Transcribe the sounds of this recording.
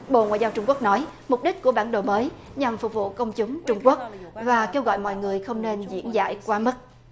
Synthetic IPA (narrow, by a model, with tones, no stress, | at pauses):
ɓo̰˧˨ŋwa̰ː˧˨jzaː˧wt͡ɕʊ˧ŋ͡mku˦˥ək̚nɔ˨˦jmʊ˨˩k͡p̚ɗï˦˥k̟̚ku˧˩əɓaː˧˩nɗo̰˨˩məː˨˦jɲa˨˩mfʊ˨˩k͡p̚vṵ˧˨kə˧wŋ͡mt͡ɕʊ˨˦ŋ͡mt͡ɕʊ˧ŋ͡mku˦˥ək̚vaː˨˩ke˧wɣɔ̰˧˨jmɔ̰˧˨jŋɨ˨˩əjxə˧wŋ͡mne˧nzḭ˧˥ənza̰ː˧˨jkwaː˨˦mə˦˥t̚